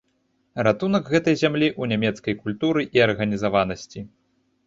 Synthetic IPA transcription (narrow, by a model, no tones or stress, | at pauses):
rat̪unɐɡɣɛt̪ɐjzʲamlʲiʔunʲamʲɛt̪skɐjkulʲt̪uɾɨʔiɐrɣɐnʲizavanɐsʲt͡sʲi